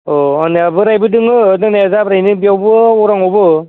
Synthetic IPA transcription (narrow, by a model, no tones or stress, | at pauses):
ɔanɯabɯɾajbɯdɯŋɯdɯŋnazabɾajnɯbiawbɯuɾaŋɔbɯ